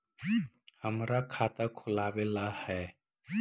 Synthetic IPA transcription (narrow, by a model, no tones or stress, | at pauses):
həmɾakʰaːt̪akʰʊlaːʋeːlahɛː